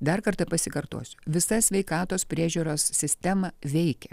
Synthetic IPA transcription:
d̪ɐɾkɐɾt̪ɐpɐsʲɪkɐɾt̪uɔsʲʊ̥ʋʲɪsɐsʲʋʲɛɪkɑːt̪oːspʲɾʲiɛʒʲuːɾoːssʲɪsʲt̪ʲɛmɐʋʲɛɪkʲɛ

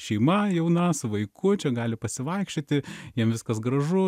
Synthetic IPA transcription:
ʃʲɛɪmɐjɛʊnɐsʊʋɐɪkʰʊt͡ʃʲɛɡɑːlʲɪpɐsʲɪʋɐɪkʃʲt͡ʃʲot̪ʲɪjiɛmʋʲɪskɐsɡɾɐʒʊ

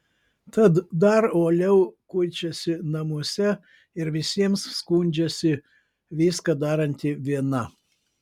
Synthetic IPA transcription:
t̪ɐt̪d̪ɐɾoːlʲɛʊkʊɪt͡ʃʲɛsʲɪnɐmuɔsʲɛ | ɪɾʋʲɪsʲiɛmsskunʲd͡ʒʲɛsʲɪ | ʋʲiːskɐd̪ɑːɾɐnʲt̪ʲɪʋʲiɛnɐ

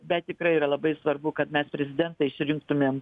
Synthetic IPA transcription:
bʲɛt̪̚t̪ːʲɪkɾɐɪiːɾɐlˠɐbɐɪsʋɐrbʊkɐt̪mʲɛspʲɾʲɛzʲɪd̪ʲɛnt̪ɐɪɪʃʲsʲɾʲɪŋkt̪ʊmʲeːm

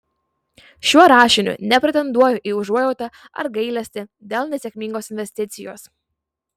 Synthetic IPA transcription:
ʃʲuɔɾɑːʃʲɪnʲʊ̰nʲɛpʲɾʲɛt̪ʲɛnd̪uɔjʊʔiːʊʒuɔjɛʊt̪ɐ | ɐ̰ɾɡɐɪlʲɛsʲt̪ʲɪd̪ʲeːlˠnʲɛsʲɛkʲmʲiːŋɡoːsɪnʲʋʲɛsʲt̪ʲɪt̪sʲɪjo̰ːs

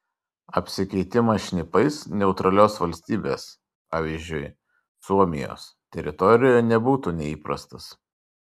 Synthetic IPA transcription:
ɐpʲsʲɪkʲɛɪt̪ʲɪmɐʃʲnʲɪpɐɪsnʲɛʊt̪ɾɐlʲoːsʋɐlʲsʲt̪ʲiːbʲeːs | pɑːʋʲiːzʲd͡ʒʲʊɪ | suɔmʲɪjo̰ːs | t̪ʲɛɾʲɪt̪ɔɾʲɪjojnʲɛbuːt̪uːnʲɛiːpɾɐst̪ɐs

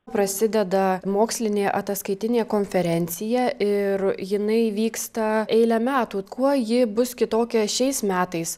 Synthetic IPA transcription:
pɾɐsʲɪd̪ʲɛd̪ɐmoːksʲlʲɪnʲeːʔɐt̪ɐskɐɪt̪ʲɪnʲeːkoːnʲfʲɛɾʲɛnʲt̪sʲɪjɛʔɪɾjɪnɐɪʋʲiːkst̪ɐɛɪlʲɛmʲæːt̪uːkuɔjɪbʊskʲɪt̪oːkʲɛʃʲɛɪsmʲæːt̪ɐɪs

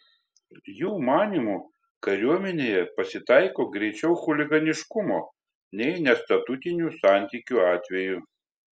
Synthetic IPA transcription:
juːmɑːnʲimuː | kɐɾʲuɔmʲɛnʲeːjɛpɐsʲɪt̪ɑˑɪkoːɡɾʲɛɪt͡ʃʲɛʊxʊlʲɪɡɐnʲɪʃkʊmoː | nʲɛɪnʲɛst̪ɐt̪ʊt̪ʲɪnʲuˑsɑˑnʲt̪ʲikʲuɑːt̪ʲʋʲɛju

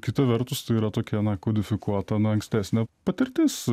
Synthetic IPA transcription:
kʲɪt̪ɐʋʲɛɾt̪ʊst̪ɐɪiːɾɐt̪oːkʲɛnɐkoːd̪ʲɪfʲɪkuɔt̪ɐnɐɐŋksʲt̪ʲæːsʲnʲɛpɐt̪ʲɪɾʲt̪ʲɪːs

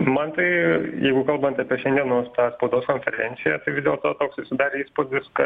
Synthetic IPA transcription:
mɐnt̪ɐɪjɛɪɡʊkɐlˠbɐnt̪ɐpʲiɛʃʲɛnd̪ʲiɛnoːst̪ɑːspɐʊd̪oːskoːnʲfʲɛɾʲɛnʲtsʲɪjɛt̪ɐɪʋʲɪzʲdʲeɛlˠt̪oːt̪oːksɪʃʲsʲɪd̪ɑːɾʲeːiːspoːd̪ʲɪskɐ

